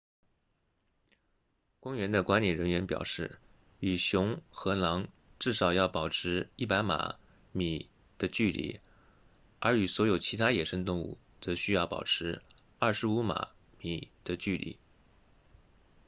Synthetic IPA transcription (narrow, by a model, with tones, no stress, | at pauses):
kʊ˥ŋɥɛ˧˥nd̪ə˧kwa˧˥nliɛ˨˩ɻə˧˥nɥɛ˧˥npjɑ̰˨˩ʊʂɻ̩˥˩ | y˨˩ɕjʊ˧˥ŋxɤ˧˥nɑ˧˥ŋ | ʈ͡ʂɻ̩˥˩ʂɑ˨˩ʊjɑ˥˩ʊpɑ˨˩ʊʈ͡ʂʰɻ̩˧˥i˥˩pa˧˥ɪma̰˨˩˦ | mi˨˩ | d̪̥ə˧t͡ɕy˥˧lḭ˥˩ | ə˞˧˥y˨˩swɔ˧˥jo˨˩ʊt͡ɕʰi˧˥t̪ʰa˥jɛ˨˩ʂə˥ŋt̪ʊ˥˧ŋṵ˥˩ | t͡sɤ˧˥ɕy˥jɑ˥˩ʊpɑ̰˨˩ʊʈ͡ʂʰɻ̩˧˥ | ɐ˥˩ʂɻ̩˧˥u˧˥ma̰˨˩˦ | mi˨˩d̪̥ə˦t͡ɕy˥˧lḭ˥˩˦